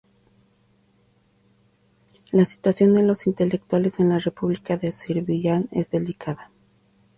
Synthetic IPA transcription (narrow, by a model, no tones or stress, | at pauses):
lasi̥t̪wasjo̞nd̪elo̞sint̪e̞le̞k̚t̪wale̞se̞nlare̞puβlikaðesiɾβiʝane̞zðe̞likʰaða